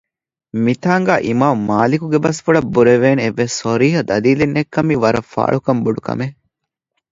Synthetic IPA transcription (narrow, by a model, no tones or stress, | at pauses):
mit̪aːŋɡæːʔimaːmːaːlikuɡebɐsfuɭɐbːuɾeʋeːneeʋːesːoɾiːɦɐd̪ɐliːlenːekːɐmiʋɐɾɐfa̰ːɭukɐmbuɖukɐ̰me